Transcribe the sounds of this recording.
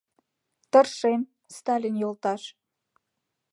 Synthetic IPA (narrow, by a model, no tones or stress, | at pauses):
t̪ə̆rʃem | st̪ɑlʲinjolt̪ɑʃ